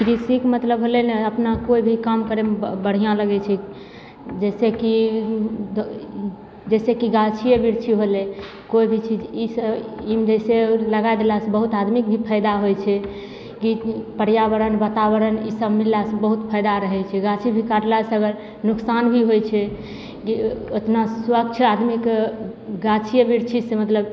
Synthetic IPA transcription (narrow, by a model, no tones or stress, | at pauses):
kɾisikmət̪ləbɦolɛneəpnakoibʱikamkəɾebəɽ̤ijãləɡɛt͡ʃʰɛ | d͡ʒɛseki | d̪ | d͡ʒɛsekiɡat͡ʃʰiebʱiɾt͡ʃʰiɦole | koibʱit͡ʃʰid͡ʒisəimd͡ʒɛseləɡajd̪elasẽbəɦut̪ad̪mik̚bʱipʰəjd̪aɦojt͡ʃʰɛ | kipəɽjabəɾənbat̪aβəɾənisəbmilːasẽbəɦut̪pʰəjd̪aɾəɦɛt͡ʃʰɛɡat͡ʃʰibʱikaɽlasəɡəɾ | nuksanbʱiɦojt͡ʃʰɛ | kiot̪naswəkt͡ʃʰad̪mik | ɡat͡ʃʰijəbiɾt͡ʃʰisemət̪ləb